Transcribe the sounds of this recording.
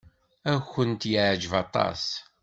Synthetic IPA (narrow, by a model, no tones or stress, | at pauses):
æxənt̪jəʕd͡ʒəvɑt̪ˤɑ̰s